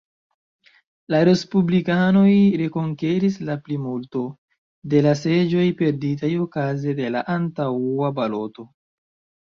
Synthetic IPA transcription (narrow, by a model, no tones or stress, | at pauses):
laɾe̞spublikano̞jɾe̞ko̞ŋke̞ɾislaplimulto̞ | de̞lase̞d͡ʒo̞jpe̞ɾdit̬ajo̞kazede̞la̰ʔantaabalo̞to̞